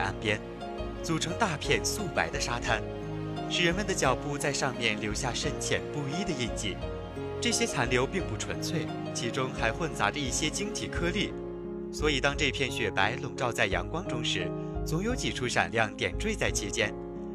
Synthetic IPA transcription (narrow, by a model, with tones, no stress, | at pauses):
a̰˥npjɛ˥n | t͡su˨˩ʈ͡ʂʰɤ˧˥ŋt̪a˥˧pʰjɛ˥˧nsu˥˩pa˧˥ɪd̪ə˧ʂa˥t̪ʰa˥n | ʂɻ̩˨˩ɻə˧˥nmə˧nd̪ə˩t͡ɕjɑ˨˩ʊpu˥˧t͡sa˥˧ɪʂɑ˥˧ŋmjɛ˥˩nljo˧˥ʊɕja˥˩ʂə˥nt͡ɕʰjɛ̰˨˩npu˥˧i˥d̪ə˨i˥˧nt͡ɕḭ˥˩ | ʈ͡ʂɤ˥˩ɕjɛ˥t͡sʰa˧˥nljo˧˥ʊpi˥˧ŋpu˥˩ʈ͡ʂʰwə̰˧˥nt͡sʰwe˥˩ɪ | t͡ɕʰi˧˥ʈ͡ʂʊ˥ŋxa˧˥ɪxwə˥˩nt͡sa̰˧˥ʈ͡ʂə˧i˥˩ɕjɛ˥t͡ɕi˥ŋt̪ʰi˨˩kʰɤ˥li˥˩ | swɔ˧˥i˨˩t̪ɑ˥ŋʈ͡ʂɤ˥˧pʰjɛ˥˩nɕɥɛ˨˩pa˧˥ɪlʊ˨˩ŋʈ͡ʂɑ˥˧ʊt͡sa˥˩ɪjɑ̰˧˥ŋkwɑ˥ŋʈ͡ʂʊ˥ŋʂɻ̩˧˥ | t͡sʊ˧˥ŋjo˧˥ʊt͡ɕi˨˩ʈ͡ʂʰu˥ʂa̰˨˩nljɑ˥˩ŋt̪jɛ̰˨˩nʈ͡ʂwe˥˧ɪt͡sa˥˩ɪt͡ɕʰi˧˥t͡ɕjɛ˥n